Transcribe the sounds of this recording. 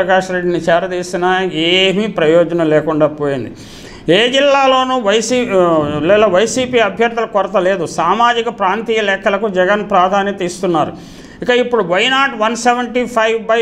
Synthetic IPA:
ɐɡaːʂɾe̞ɖːinit͡ʃɛːɾɐd̪iːsinɐeːmipɾɐjɔːd͡ʒɐnɐmlɛːkuɳɖaːpoːjind̪i | eːd͡ʒilːaːlo̞ːnuːʋɐjsilɛːlɐʋɐjsiːpiːɐbʱjɐɾd̪ʱɐlɐkɔɾɐt̪ɐleːd̪usaːmaːd͡ʒikɐpɾaːnt̪iːjɐlɛːkʰːɐlɐkud͡ʒɛɡɐnpɾaːd̪ʱaːnjɐt̪iːst̪unːaːɾṵ | ikɐipːuɽuʋɐjnaːʈʋɐnseʋɐɳʈiːpʰɐjbɐ

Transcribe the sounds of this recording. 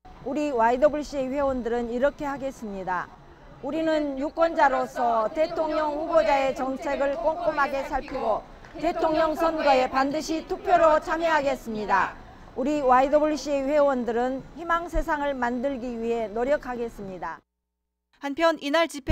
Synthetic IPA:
uɾiwaidobuɭɕ͈ie̞ɸwe̞wʌndɯɾɯniɾʌkʰe̞ɦhaɡe̞s͈ɯmɲida̰ | uɾinɯnjuk͈wʌnd͡ʑaɾosʰʌte̞tʰoŋɲʌŋɸubod͡ʑae̞t͡ɕʌŋt͡ɕʰe̞ɡɯɭk͈oŋk͈omɦaɡe̞sʰaɭpʰiɡo | te̞tʰoŋɲʌŋsʰʌnɡʌe̞pandɯɕʰitʰupʰjoɾot͡ɕʰamjeɦaɡe̞s͈ɯmɲida̰ | uɾiwaidobuɭɕ͈ieɸe̞wʌndɯɾɯnçimaŋsʰe̞s̬ʰaŋɯɭmandɯɭɡiɥiɦe̞noɾjʌkʰaɡe̞s͈ɯmɲida | hanpʰjʌninaɭt͡ɕipʰ

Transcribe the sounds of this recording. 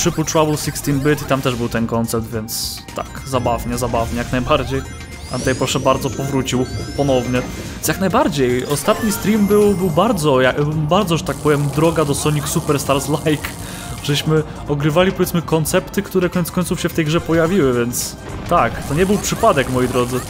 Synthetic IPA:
pʂɘpult̪ɾavulsikst̪imbɘt̪it̪amt̪ɛʐbɘwt̪ɛnkɔnt̪sɛpt̪vʲjɛnt̪s | t̪a̰kzabavɲɛzabavɲɛjaknajbaɾd͡ʑej | t̪amt̪ɛjpɾɔʂɛbaɾd̪zɔpɔvɾut͡ɕiwpɔnɔvɲɛ | jaknajbaɾd͡ʑejɔst̪at̪ɲist̪ɾʲimbɘwbɘwbaɾd̪zɔjabaɾd̪zɔʐɛt̪ak̚pɔvʲjɛmd̪ɾɔɡad̪ɔsɔɲiksupɛɾst̪aɾzlajk | ʐ̥ɛɕmɘ | ɔɡɾɘvalʲipɔvʲɛt̪smɘkɔnt̪sɛpt̪ɘkt̪uɾɛkɔɲɛt̪kɔɲ̃ʲt̪sufɕɛft̪ɛjɡʐɛpɔjavʲiwɘvʲjɛnt̪s | t̪akt̪ɔɲɛbɘwpʂɘpad̪ɛkmɔjid̪ɾɔd̪zɘ

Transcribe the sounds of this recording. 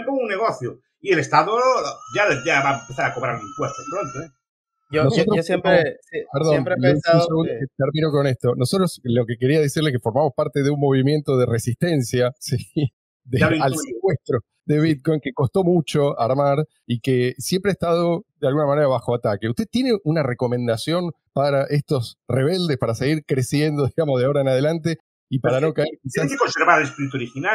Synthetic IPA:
mpounːeɣoθjo | ielest̪aðod͡ʒad͡ʒaβaempeθaɾakoβɾa̰ɾuniŋpwest̪opɾont̪oe | onossot̪ɾoosempepeɾðomɾleauseɣund̪oket̪eɾmĩno̞ko̞nest̪o̞no̞sot̪ɾoslo̞ke̞keɾiaðesiɾlekefo̞ɾmamo̞spaɾt̪eðeummo̞βimjent̪oð̞eresist̪e̞nsjasi | ðealsekwest̪ɾo | ðeβit̪̚ko̞jŋkeko̞st̪o̞mut͡ʃo̞aɾmaɾ | ikesjempɾeast̪aðoðealɣunamaneɾaβaxo̞at̪akeust̪e̞t̪ːje̞ne̞ʔunare̞ko̞mẽ̞nd̪asjo̞n | paɾaʔest̪o̞sre̞β̞e̞ld̪espaɾaseɣiɾkɾe̞sje̞nd̪o̞ðiɣamozðeao̞ɾaenaðe̞lant̪̬e̞ | ipaɾanokaeɾkisaskonseɾβaespiɾit̪uoɾixina

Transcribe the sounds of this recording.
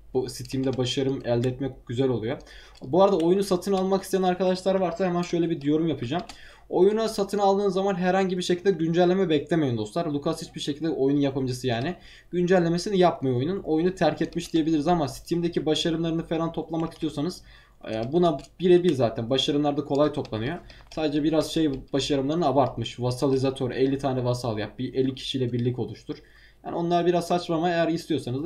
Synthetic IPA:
sit̪ʰimd̪ɛbaʃaɾɯmɛlʲd̪ɛt̪mɛkɟ̥yzælʲo̞lˠujo | buaɾad̪ao̞junusat̪ʰɯnalˠmakist̪ʰijænaɾkʰad̪aʃlˠaɾvaɾsahemænʃøjlʲɛbid̪yjo̞ɾumjapʰɯd͡ʒam | o̞junasat̪ʰɯnalˠd̪ɯːnzamanɦɛɾhaɲɟibiɾʃecʰilʲd̪ɛɟynd͡ʒælʲːemɛbɛclʲemeind̪o̞slˠaɾlˠukʰashit͡ʃbiɾʃecʰilʲd̪ɛʔojununjapʰamd͡ʒasɯjaːnɪ | ɟ̥ynd͡ʒælʲːe̞me̞sinijapmajoojununo̞junut̪ʰæɾcʰɛt̪miʃd̪ijebilʲiɾizamasi̥t̪ʰimd̪ecʰibaʃaɾɯmlˠaɾɯnɯfe̞ɾant̪ʰo̞plˠamakist̪ijo̞sanɯz̥ | bunabiɾebiɾzaːt̪ʰænbaʃaɾɯmlˠaɾd̪akʰo̞lˠajt̪ʰo̞plˠanɯyjo̞saːd̪ed͡ʒɛbiɾazʃe̞jb̥aʃaɾɯmlˠaɾɯnɯabaɾt̪mɯʃvasalˠizat̪ʰøɾɛlʲːit̪ʰaːnɛvasalˠjap̚biʔelʲːicʰi̥ʃijlʲɛbiɾlʲico̞lˠuʃt̪ʰuɾ̥ | ja̰ːnio̞nˠaɾabiɾazsat͡ʃmamaejæɾist̪ʰijo̞sanɯz

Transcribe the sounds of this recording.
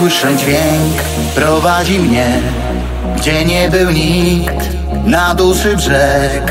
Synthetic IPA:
wɘʂɛd͡ʑvʲjɛŋk | pɾɔvad͡ʑimɲɛ | ɡd͡ʑɛɲɛbɘwɲikt̪ | nad̪uʂɘbʐɛk

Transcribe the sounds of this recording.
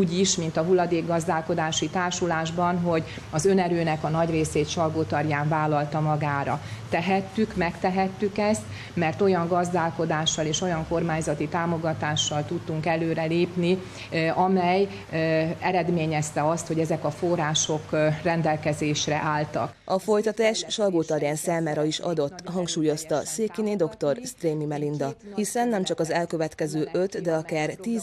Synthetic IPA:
uːɟiʃmint̪ɒɦulːɒd̪eːɡɡːɒzd̪aːlko̞d̪aːʃit̪aːrʃulaːʒbɒnɦo̞ɟ | ɒzø̞nɛɾøːnɛkɒnɒɟreːseːt̪t͡ʃɒlɡoːt̪ɒrjaːɱvaːlːɒlt̪ɒmɒɡaːɾɒ̰t̪ɛɦɛt̪ːykmɛkt̪ɛɦɛt̪ːykɛst̪ | mɛrt̪o̞jɒŋɡɒzd̪aːlko̞d̪aːʃːɒleːʃo̞jɒŋko̞rmaːɲzɒt̪it̪aːmo̞ɡɒt̪aːʃːɒlt̪ut̪ːuŋkɛløːɾɛleːpni | ɒmɛj | ɛɾɛd̪meːɲɛst̪ɛɒst̪ho̞ɟɛzɛkɒfo̞raːʃo̞krɛnd̪ɛlkɛzeːʃrɛ̰ʔaːlt̪ɒ̰kʔɒfo̞jt̪ɒt̪aːʃʃɒɡoːt̪ɒɾjaːnsaːmaːɾɒiʃɒ̰d̪o̞t̪ːɦɒŋkʃuːjo̞st̪ɒseːkined̪o̞kt̪o̞rst̪reːmimɛlind̪ɒhisɛnːɛmt͡ʃɒkɒzɛlkø̞vɛt̪kɛzøːʔø̞t̪d̪ɛɒkaːrt̪iːz

